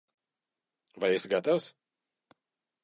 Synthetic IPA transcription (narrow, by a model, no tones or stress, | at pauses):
vajɛsɡat̪aws